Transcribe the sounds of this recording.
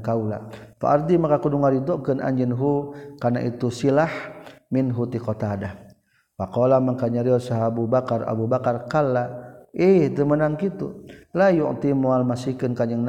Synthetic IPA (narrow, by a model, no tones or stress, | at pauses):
kaula̰pa̰ʔard̪imakakuduŋaɾid̪ɔʔkənʔa̰ɲd͡ʒinɦukarna̰ʔit̪usilahminɦut̪ikot̪ada | wakawlamaŋkaɲaɾiɔsaɦabubakara̰bubakarkalaid̪əmənaŋkit̪ṵlajṵʔt̪imoalmasikənkaɲəŋn